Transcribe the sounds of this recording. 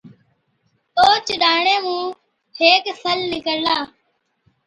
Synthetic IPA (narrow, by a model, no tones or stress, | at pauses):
oːt͡ʃɗaːɳeːmũː | heːksəlnɪkəllaː